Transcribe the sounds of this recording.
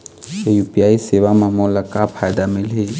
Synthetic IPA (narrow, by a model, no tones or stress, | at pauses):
ejupʼiaisɪβamamɔlakʼapʰadamɛleːŋ